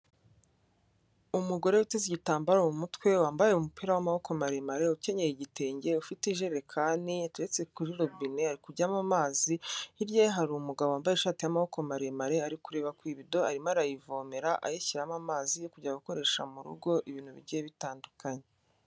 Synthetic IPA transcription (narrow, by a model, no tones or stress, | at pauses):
umuɡo̞ɾe̞uteziɟitaːmbaɾoumutwe̞waːmbaje̞umupiːɾawamaho̞ko̞maɾemaɾe̞uce̞ɲejiɟite̞ːɲɟe̞ufitiʒeɾe̞kʰaːniatuɾet͡se̞kuɾiɾobineaɾikuɾɟamamaːziiɾjaɦaɾumuɡaβowaːmbajeʃaːtijamaho̞ko̞maɾemaɾe̞aɾikuɾe̞ːβakwiːβido̞aɾimaɾajivo̞ːmeɾaʔa̰jeçiɾamamaːzijokuɟaɡuko̞ɾe̞ʃamuɾṵɡo̞ʔiβiːnhuβḭɾɟijeβitaːndukaɲe